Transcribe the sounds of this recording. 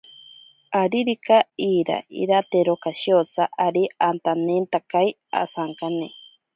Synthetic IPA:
aɾiɾikaiːɾa̰ʔḭɾat̪eɾokaʃiosaʔaɾiant̪anent̪akaj | a̰saŋkane

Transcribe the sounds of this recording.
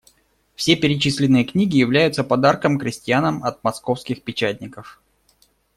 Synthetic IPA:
fsʲe̞pʲɪɾʲɪt͡ɕisʲlʲɪnːɨjəknʲiɡʲɪjɪvlʲæjʊt̪səpɐd̪arkəmkɾʲɪsʲtʲɪjanəmɐt̪̚mɐsko̞fskʲɪxpʲɪt͡ɕætʲnʲɪkəf

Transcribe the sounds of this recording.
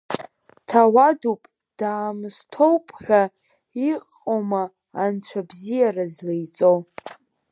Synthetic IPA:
tʰawadupʼ | d̥aːmstʰo̞wpʼʰħʷᶣa | iqʼ | omaː | nt͡sʷʰabzijarazlejt͡sʼow

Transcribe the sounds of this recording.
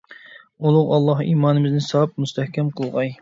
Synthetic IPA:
ulˠʊqɑlˠːɑhḭmɑːnɨmɪznɪsɑp̚must̪ʰɛhkʲɛmqʰəlˠʁɑj

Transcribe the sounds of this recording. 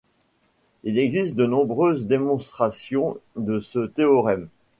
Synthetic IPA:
ilɛɡzist̪̚d̪ənɔ̃bʁøzd̪emɔ̃st̪χasjɔ̃d̪əsət̪eɔʁɛm

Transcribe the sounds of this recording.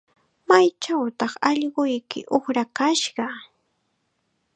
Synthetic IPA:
majt͡ʃawt̪ɑχɑʎɢʊjkɪ̰ʔoχɾakaʃɢɑ

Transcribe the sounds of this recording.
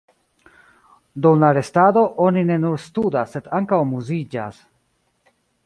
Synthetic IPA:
duwlaɾe̞stado̞ʔo̞nine̞nuɾstudasːe̞daŋkawmuzid͡ʒa̰s

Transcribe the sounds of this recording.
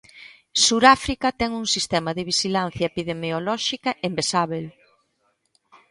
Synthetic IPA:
suɾafɾikɐt̪ɛŋuŋsist̪ɛmɐðɪβ̞iʃilan̟θjɐepiðemeolɔʃikɐʔembesaβel

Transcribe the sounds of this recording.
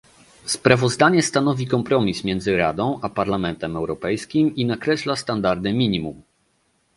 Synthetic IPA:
spɾavɔzd̪aɲɛst̪anɔvʲikɔmpɾɔmʲismʲjɛnd̪zɘɾa̰d̪ɔ̃w̃ʔapaɾlamɛnt̪ɛmɛwɾɔpɛjskʲiminakɾɛɕlast̪and̪aɾd̪ɘmʲiɲimṵm

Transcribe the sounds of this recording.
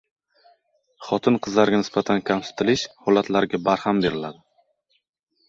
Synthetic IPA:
χɒt̪ʰɪnqʰɨzlaɾɡʲanɪsbat̪ʰankʲʰamsɪ̥t̪ʰɪlɪʃhɒlat̪ʰlaɾɡʲabaɾhambe̞ɾɪlad̪ɪ

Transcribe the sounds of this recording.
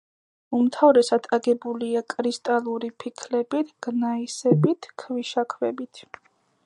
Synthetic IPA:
umt̪ʰavɾɛsad̪ʰaɡɛbuliakʼɾist̪ʼalˠuɾipʰikʰlɛbit̪ʰɡ̥naisɛbit̪ʰkʰviʃakʰvɛbit̪ʰ

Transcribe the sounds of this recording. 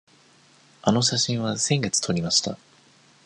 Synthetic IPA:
ano̞ɕaɕĩɰ̃βasẽ̞ŋɡe̞t͡sɨ̥t̪ʰo̞ɾʲimaɕi̥t̪a

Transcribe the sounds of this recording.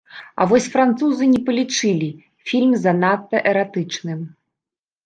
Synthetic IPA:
ɐ̰vɔsʲfɾant̪suzɨnʲɛpɐlʲit͡ʂɨlʲi | fʲilʲmzɐnat̪ːɐʔɛɾat̪ɨt͡ʂnɨm

